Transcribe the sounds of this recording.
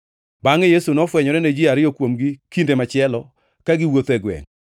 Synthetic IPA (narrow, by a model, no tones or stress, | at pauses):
baŋejesunɔfwɛɲɔɾɛned͡ʒɪaɾɪjɔkwomɡɪkindemat͡ʃɪɛlɔ | kaɡɪwot̪ɛɡwɛ̰ŋ